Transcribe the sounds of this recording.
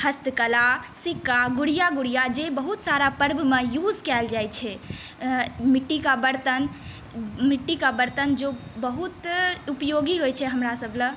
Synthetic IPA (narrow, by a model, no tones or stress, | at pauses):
həst̪əkəlasikːaɡuɽijaɡuɽijad͡ʒebəɦut̪saɾapəɾbʱmejud͡ʒkɛld͡ʒajt͡ʃʰɛ | miʈːikabəɾt̪ən | miʈːikabəɾt̪ənd͡ʒobəɦut̪upjoɡiɦojt͡ʃʰɛɦəmɾasəbʱlə̃